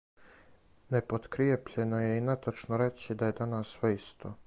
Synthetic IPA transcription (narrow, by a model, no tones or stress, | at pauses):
nepot̪kɾiepʎe̞nojeinat̪at͡ʃnoɾe̞t͡ɕid̪aje̞d̪anassʋeist̪ʰo